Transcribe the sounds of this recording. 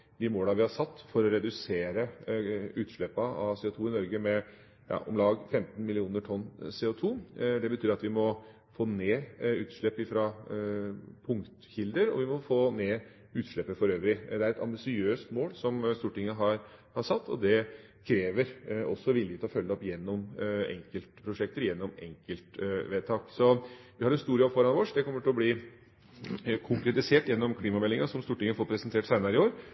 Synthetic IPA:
d̪ɪmoːlɑʋɪhɑɾʂɑt̪ːfɔɾɔɾɛd̪ʉseːɾə | ʉːt̪ʂɭɛpːɑɑʋseːʊt̪ʰuːɪnɔɾɡəmɛ | jɑ̰ʔɔ̰mlɑːɡfɛmt̪nmɪlɪuːnəʈʰɔnːseːʊt̪ʰuːd̪ɛbət̪ʰyːɾɑt̪ʋɪmɔ | foːneːʉːt̪ʂɭɛpːɪfɾɑ | pʰʊŋkt̪çɪld̪əɾɔ̰ʋɪmɔfoːneː | ʉːt̪ʂɭɛpːəfɔɾøːʋɾɪd̪ɛæɾɛt̪ɑ̰mbɪsɪøːst̪moːlsɔmst̪uːʈɪŋːəɦɑɾ | hɑɾsɑt̪ːɔ̰d̪ɛ | kʰɾeːʋəɾɔ̰sːɔʋɪljət̪ɪlɔfœlːəɔpːjɛnːɔmɛ̰ŋkəlt̪pʰɾʊʂɛk̚t̪əɾjɛnːɔmɛ̰ŋkəlt̪ʋeːt̪ʰɑːksɔʋɪhɑɾɛnst̪uːɾɪəɔfɔɾɑnʋɔːʂd̪ɛkʰɔmːəʈʰɪlɔbliː | kʰʊŋkɾɛt̪ɪseːʈjɛnːɔmkʰliːmɑmɛlːɪŋɑsɔmst̪uːʈɪŋːəfoːɾpʰɾɛsənt̪ʰeːʈsæɪnɑɾəɪoːɾ

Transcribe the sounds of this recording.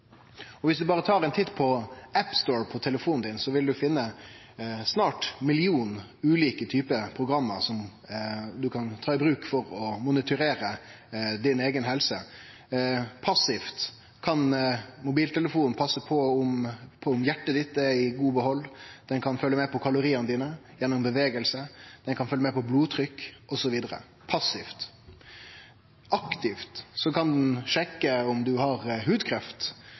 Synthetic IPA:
ɔʋɪsd̪ʉbɑːʁət̪ʰɑːɾɛnt̪ʰɪt̪ːpʰɔæpst̪oːɹpʰɔt̪ʰɛləfuːnn̩d̪ɪnsɔʋɪld̪ʉfɪnːə | snɑːʈmɪlɪuːn | ʉːliːkət̪ʰyːpəpʰʁʊɡɾɑmːəɾsɔm | d̪ʉkʰɑnt̪ʰɑːɪbɾʉːkfɔɾɔmʊnɪt̪ʰʉɾeːɾə | d̪ɪneːɡənɦɛlsə | pʰɑsɪft̪ | kʰɑnmʊbiːlt̪ʰɛləfuːnnpʰɑsəpʰɔʊmpʰɔʊmjæʈːəd̪ɪt̪ːɛɪɡuːbəɦɔlːd̪̥ɛnkʰɑnfœlːəmɛpʰɔkʰɑlʊɾiːənəd̪iːnəjɛnːʊmbəʋeːɡəlsəd̪̥ɛnkʰɑnfœlːəmɛpʰɔbluːt̪ʰɾʏkːɔsɔʋiːd̪əɾə̰ | pʰɑsɪft̪ | ʔɑkt̪ɪft̪sɔkɑnd̪nʂɛkːəʊmd̪ʉɦɑɾhʉːd̪kʰɾɛft̪

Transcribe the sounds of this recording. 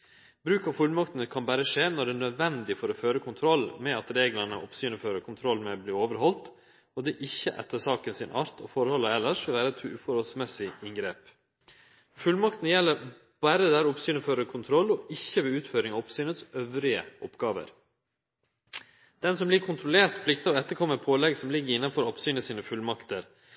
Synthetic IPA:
bɾʉːkɑʋfʉlmɑkt̪nəkʰɑnbæɾəʂeːnɔɖɛnœd̪ʋɛnd̪ɪfɔɾoføːɾəkʰʊnt̪ʰɾɔlːmɛɑt̪ɾeːɡləɳə̰ʔɔ̰psyːnəføːɾəkʰʊnt̪ʰɾɔlːmɛbliːoːʋəɾɦɔlt̪ | ɔd̪ɛʔɪçːəʔɛ̰t̪ːəʂɑːkənsɪnʔɑɾt̪ʰɔ̰fɔɾhɔlːəɛlːəʂʋɪlʋæːɾəɛt̪ʰʉːfɔɾhɔlsmɛsɪɪŋɡɾeːp | fʉlmɑkt̪n̩jɛlːəɾ | b̥æːɾəd̪æɾɔpsyːnəføːɾəkʰʊnt̪ʰɾɔlːɔɪçːəʋɛʉːt̪føːɾɪŋɑɔpsyːnət̪sœʋɾɪə̰ʔɔpɡ̥ɑːʋə̰ɾ | d̪̥ɛnsɔmblɪkʰʊnt̪ʰɾʊleːɾt̪pʰlɪkt̪ɑɛt̪ːəɾkʰɔmːəɾpʰoːlɛɡsɔmlɪɡːəɾɪnːɑnfɔɾɔpsyːnəsiːnəfʉlmɑkt̪əɾ

